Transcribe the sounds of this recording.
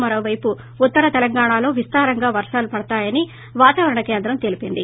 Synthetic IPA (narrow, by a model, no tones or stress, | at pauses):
mɐɾo̞ːʋɐjpuː | t̪ːɐɾɐt̪ɛlɐŋɡaːɳaːloːʋist̪aːɾɐŋɡaːʋɐɾʂaːlupɐɽɐt̪aːjɐni | ʋaːt̪aːʋɐɾɐɳɐke̞ːnd̪ɾɐmt̪elipind̪ḭ